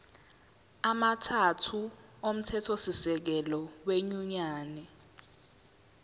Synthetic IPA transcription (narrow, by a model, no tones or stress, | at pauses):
amatʰatʰuom̩tʰɛtʰosisɛk̬ɛlɔweɲuɲaːnɛ